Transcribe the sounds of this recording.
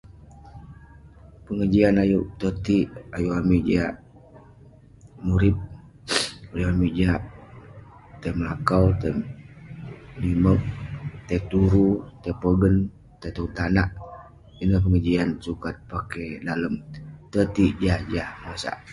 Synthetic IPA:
pəŋəd͡ʒianajuʔt̪ət̪iʔajuamiʔd͡ʒaʔ | muɾip̚ | uliamiʔd͡ʒaʔ | t̪emlakawt̪e | nimək̚t̪ɛt̪uɾut̪epəɡən | t̪et̪uut̪anaʔ | inəhp̬əŋəd͡ʒiansukat̪̚pakedaləmt̪ət̪iʔd͡ʒahd͡ʒahmasa̰ʔ

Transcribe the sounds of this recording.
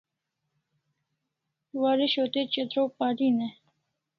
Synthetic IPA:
waːɾiɕot̪et͡ɕet̪ɾoːpaːɾine

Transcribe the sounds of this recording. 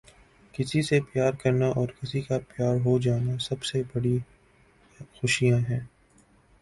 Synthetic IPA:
kɪsisepjaːɾkɐɾnaʔɔːɾkɪsikapjaːɾɦod͡ʒaːnasɐbsebɐɽi | xʊʃijãɦɛ̃ː

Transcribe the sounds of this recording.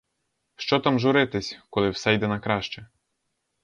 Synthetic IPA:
ʃt͡ʃɔt̪ɑmʒʊɾɪt̪ɪsʲkɔlˠɪwsɛjd̪ɛnɐkɾɑʃt͡ʃɛ

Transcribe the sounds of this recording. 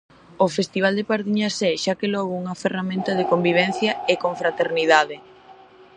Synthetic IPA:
ofest̪iβ̞ald̪epaɾðiɲɐsɛʃakelɔɣouŋɐferamẽnt̪ɐðekombiβ̞ɛn̟θjɐekoɱfɾat̪eɾniðaðe

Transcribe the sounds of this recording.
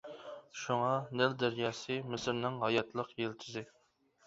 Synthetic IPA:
ʃuŋɑnɪld̪æɾjɑːsɨmɪsɪɾnɪŋɦɑjɑt̪lˠəqjelt͡ʃ̪ʰɪzɪ

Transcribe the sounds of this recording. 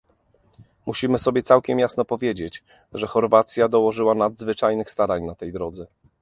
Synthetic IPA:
muɕimɘsɔbʲjɛt̪sawkʲɛmjasnɔpɔvʲjed͡ʑet͡ɕ | ʐɛxɔɾvat̪sʲjad̪ɔwɔʐɘwanad̪zvɘt͡ʂajnɘxst̪aɾaɲnat̪ɛjd̪ɾɔd̪zɛ

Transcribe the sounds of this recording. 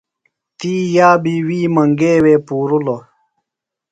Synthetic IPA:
t̪iːjaːbiwiːmɐŋɡeːwepuːɾulo

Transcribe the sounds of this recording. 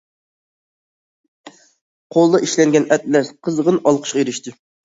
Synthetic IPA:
qʰolˠd̪ɑʔiʃlɛŋɡʲɛnɛt̪̚lɛsqʰəzʁənɑlˠqʰə̥ʃqɑjeɾɪʃt̪ʰɪ

